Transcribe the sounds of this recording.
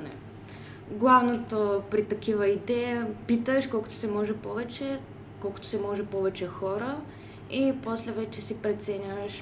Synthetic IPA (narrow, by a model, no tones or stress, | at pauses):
nɛ̰ | ɡlˠavnot̪opɾit̪ɐkivəid̪ɛpit̪əʃkɔlˠkʊ̥t̪o̥sɛmɔʒɛpɔvɛt͡ʃɛ | kɔlˠkʊ̥t̪o̥sɛmɔʒɛpɔvɛt͡ʃɛxɔɾə | iposlɛvɛt͡ʃɛsipɾɛt̪sɛnʲəʃ